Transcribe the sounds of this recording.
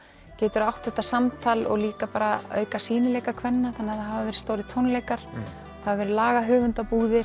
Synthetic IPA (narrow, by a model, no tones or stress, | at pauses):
cɛːt̪ʏɾawht̪θɛht̪ːasamt̪ʰaːlɔ̰ɣliːkapaːɾaœ̰ːɥkasiːnɪlɛːjkakʰvɛnːaθanːɛaθaɦavavɛːɾɪ̥st̪oːwɾɪt̪ʰownleːjkaɾ̥ | θavavɛːɾɪlaːɣaɦœːvʏnt̪apuːðɪ